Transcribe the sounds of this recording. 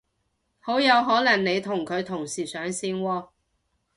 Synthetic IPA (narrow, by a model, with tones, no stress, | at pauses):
ho˨˥wjɐ˨˧wɦɔː˨˥lɐ˨˩ŋne˨˧jt̪ʰʊ˨˩ŋkʰɵ˨˧ɥt̪ʰʊ˨˩ŋsiː˨sœː˨˥ŋsiː˧nwɔː˧